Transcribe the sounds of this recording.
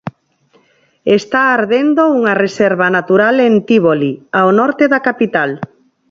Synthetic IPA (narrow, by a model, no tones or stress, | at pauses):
est̪aːɾðend̪ouŋareseɾβanat̪uɾalent̪iβoliaonɔɾt̪eðakapit̪al